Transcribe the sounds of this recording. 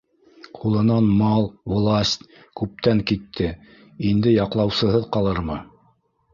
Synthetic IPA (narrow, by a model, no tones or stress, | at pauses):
qʰulˠɤ̆nɑnmɑlˠvlˠasʲt̪ʲ | kʉp̚t̪æŋkit̪ʰːɘ | ind̪ɘjɑqlˠɑwsɤ̆ɦɤðqɑlˠɤɾmɤ